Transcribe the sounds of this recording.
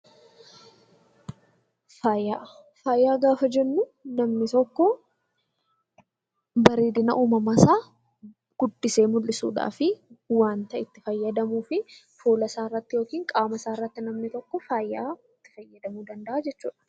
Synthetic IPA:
faːjaː | faːjːaːɡaːfɐd͡ʒɛnːʊnɐmnɪt̪ɔkːɔ | bɐɾeːd̪ɪnɐ̰ʔuːmɐmɐsaː | ɡ̥ʊd̪ːɪse̞ːmʊlːɪsṵːᶑa̰ːfɪwaːnt̪ɐɪt̪ːɪfɐjːɐd̪ɐmuːfɪ | foːlɐsaːɪrːɐt̪ːɪjo̞ːkiːŋkʼaːmɐsaːɪrːɐt̪ːɪnɐmnɪt̪ɔkːɔfaːjːa̰ːɪt̪ːɪ̥fɐjːɐd̪ɐmuːd̪ɐnd̪ɐʔaːd͡ʒɛt͡ʃːuːᶑɐ̥

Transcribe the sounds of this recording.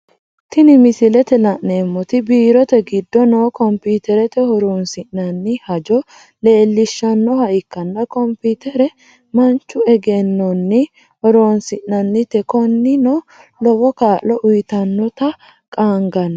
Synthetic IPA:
t̪ɪnɪmɪsɪlɛt̪ɛlɐʔneːmːɔt̪ɪbiːɾɔt̪ɛɡɪd̪ːɔnoːkɔmpiːt̪ɛɾɛt̪ɛhɔɾoːnsɪʔnɐnːɪhɐd͡ʒɔ | le̞ːlːɪʃːɐnːɔhɐʔɪkːɐnːɐkɔmpiːt̪ɛɾɛ | mɐnt͡ʃːʊɛɡɛnːɔnːɪ | hɔɾoːnsɪʔnɐnːɪt̪ɛkɔnːɪnoː | lɔwɔkaːʔlɔʔʊjt̪ɐnːɔt̪ɐ | kʼaːŋɡɐnːɐ

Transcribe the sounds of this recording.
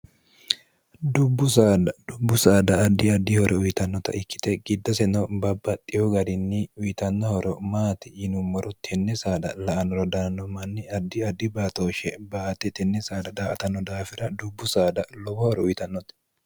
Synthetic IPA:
d̪ʊbːʊs̬aːd̪ɐd̪̥ʊbːʊsaːd̪ɐːd̪ːɪɐd̪ːɪhɔɾʔɛʊjt̪ɐnːɔt̪ɐ̰ʔɪkːɪ̥t̪ɛɡɪd̪ːɐsɛnɔbɐbːɐt̪ʼːɪjɔɡɐd̪ɪnːiʊjt̪ɐnːɐhɔɾɔmaːt̪ɪɪnʊmːɔɾɔt̪ʰɛnːɛsaːd̪ɐlɐʔɐnɔɾɐd̪aːnːɔmɐnːɪɐd̪ːɪɐd̪ːɪbaːt̪oːʃɛbaːt̪ɛt̪ɛnːɛsaːd̪ɐd̪aːɐt̪ɐnːɔd̪aːfɪɾɐd̪ʊbːʊsaːd̪ɐlɔbɔhɔɾɛʊjt̪ɐnːɔt̪

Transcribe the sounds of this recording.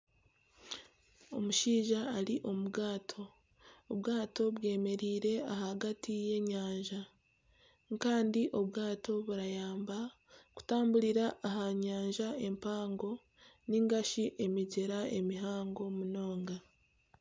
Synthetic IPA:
o̞̰muʃiːʒaːliʔo̞muɡaːtʰo̞ː | βɡaːto̞βwe̞ːme̞ɾiːɾe̞aɦaɡatʰije̞ɲaːɲʒa | ŋkaːndiʔo̞βɡaːto̞βuɾajaːmba | ku̥taːmbuɾiɾaʔːɦaɲaːɲʒae̞mpaːŋɡo̞ | niŋɡaʃiʔe̞miɟeɾae̞miɦaːŋɡo̞muno̞ːŋɡa

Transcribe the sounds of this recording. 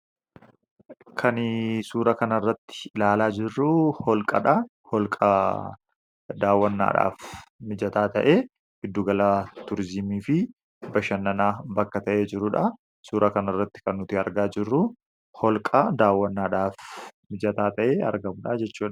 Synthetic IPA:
kʰɐnsuːɾɐkɐnɐrːɐt̪ːɪ̥laːlaːd͡ʒɪrːuhɔlkʼɐᶑɐ | hɔlkʼɐ | d̪aːwːɐnːa̰ːᶑa̰ːfmɪd͡ʒɐt̪aːt̪ɐʔeː | ɡ̥ɪd̪ːuːɡɐlaːt̪ʊɾɪzɪmiːfɪ | bɐʃɐnːɐnaːbɐkːɐt̪ɐʔeːd͡ʒɪɾʊᶑɐ | suːɾʔɐkɐnɐrːɐt̪ːɪ̥kɐnːʊt̪ɪɐɾɡaːd͡ʒɪrːu | hɔlkʼɐd̪aːwːɐnːaːᶑaːfmɪd͡ʒɐt̪aːt̪ɐʔeːɐ̰ɾɡɐmʊᶑɐd͡ʒɛt͡ʃːuːᶑɐ̥

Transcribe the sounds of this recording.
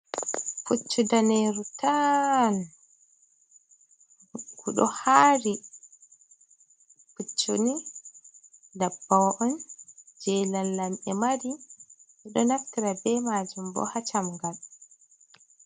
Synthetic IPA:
fut͡ʃːudaneɾutan | ɡuɗɔhaɾi | fut͡ʃːoni | dabːawʔɔnd͡ʒɛlalːamʔɛmaɾiɡuɗɔnaftiɾabɛmad͡ʒumbɔ̰hat͡ʃamŋɡal

